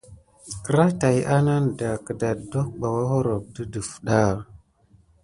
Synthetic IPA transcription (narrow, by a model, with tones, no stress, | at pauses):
kə˦ɾa˦ta˨jʔa˦na˦n˨da˨kə˨da˨do˦k̚ɓa˨wa˦ɦo˦ɾo˨b̚də˦də˨fɗa˦˨